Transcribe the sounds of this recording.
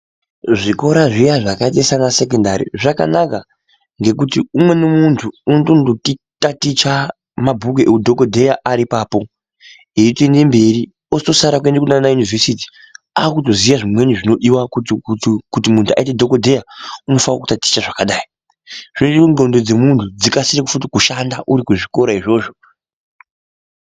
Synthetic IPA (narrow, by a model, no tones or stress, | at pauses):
ʐiko̞ɾaʐijaʐakat̬esanase̞kendaɾḭʐaka̰naka | ŋɡe̞kutiumwe̞nomuntʰuːnotondokitatit͡ʃa | mabʱuk̬uʔeudʱo̞kodʱe̞jaʔaɾipaːpo̞ | eitoende̞mbe̞ri | osto̞saɾakwendekunanajunivʱesiti̥ | aːkuto̞zijaʐimwe̞ɲuʐino̞ɗiwakukut̬imuntʰua̰itedʱo̞kodʱe̞jauno̞fawaku̥tati̥t͡ʃaʐakaɗaːi | ʐ̥inoiuŋdo̞ndo̞d͡ze̞muntʰud͡zikasiɾekufutikuʃandaʔuɾikuʐiko̞ɾaiʐo̞ːʐo